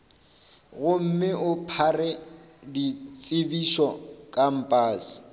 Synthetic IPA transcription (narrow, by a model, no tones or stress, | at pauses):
ɣʊm̩mɪʔʊpʰarɛ | dit͡sʼɪbiʃɔkʼam̩pʼaːsɪ̥